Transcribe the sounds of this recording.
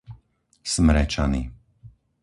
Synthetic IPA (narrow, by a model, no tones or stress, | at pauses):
smɾɛt͡ʃani